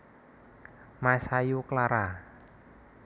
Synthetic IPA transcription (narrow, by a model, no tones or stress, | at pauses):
masajuklaɾa